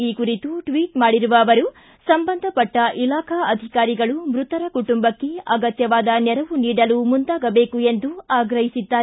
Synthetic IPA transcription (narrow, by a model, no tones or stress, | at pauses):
iːkuɾit̪uʈʋiːʈmaːɽiɾuʋɐːʋɐɾu | sɐmbɐnd̪ʱɐpɐʈːɐʔilaːkʰɐɐd̪ʱikaːɾiɡɐɭumɾut̪ɐɾɐkuʈumbɐkːe̞ɐɡɐt̪jɐʋaːd̪ɐnɛɾɐʋuniːɽɐlumund̪aːɡɐbe̞ːkue̞nd̪uaːɡɾɐɦisid̪ːaːɾe